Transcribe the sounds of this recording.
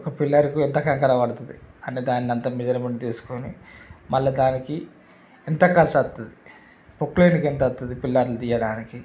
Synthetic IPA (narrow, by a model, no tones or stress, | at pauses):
ɔkɐpilːɐɾikuent̪ɐkɐŋkɐɾɐpɐɽɐt̪ɐd̪iɐnːed̪aːnniɐnt̪ɐmid͡ʒɐɾɐmeɳɖit̪iːsu̥koːnimɐɭːɐd̪aːniki | ent̪ɐkɐlsɐt̪ːɐd̪i | pokleːnikent̪ɐt̪ːɐd̪ipilːaːɾlut̪iːjːɐɽaːniki